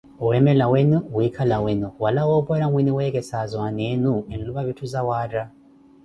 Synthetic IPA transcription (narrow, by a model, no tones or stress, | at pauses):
uwemelawenuwikʰalawenuwalawoːpoɾamwiniweɡesazwanenuenluβaβitʰuzawaːɾa